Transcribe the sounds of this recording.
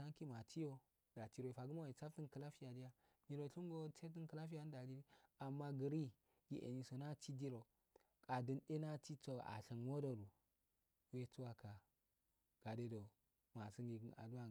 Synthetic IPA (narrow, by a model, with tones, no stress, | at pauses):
a˦ŋki˦ma˨ti˦jo˦ | da˨ti˦ɾo˦i˨fa˨ɡu˦ma˦˨i˨t͡sa˦fti˦nkə˨la˦fi˦ja˨di˦ja˦ | ni˨ɾo˨ɬu˦ŋɡo˦t͡se˦t̬i˦nkə˨la˦fi˦ja˦n˦da˨di˦ɾi˦a˨mːa˦ɡə˨ɾi˦ | ɡḭ˨ʔḛ˨ni˦˨so˨na˦ti˦di˦ɾo˨ | kʼa˨dɨ˦nɗe˦na˦ti˦t͡so˦˨a̰˨ɬi˨nwo˦do˨ɾu˨ | we˦t͡su˦wa˦ka˨ | ɡ̥a˨de˦do˨ | ma˨si˦ŋɡi˨ɡna̰˨du˦wa˦˨